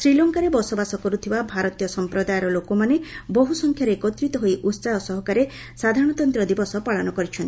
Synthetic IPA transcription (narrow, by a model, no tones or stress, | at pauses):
sɾilɔŋkaɾebɔsɔbasɔkɔɾut̪ʰibabʱaɾɔt̪ijɔsɔmpɾɔd̪ajɔɾɔlokomanebɔɦusɔŋkʰjaɾekɔt̪ɾit̪ɔɦojʔut̪saɦɔsɔɦɔkaɾe | sad̪ʱaɾɔɽ̃ɔt̪ɔnt̪ɾɔd̪ibɔsɔpaɭɔnɔkɔɾit͡ʃʰɔnt̪i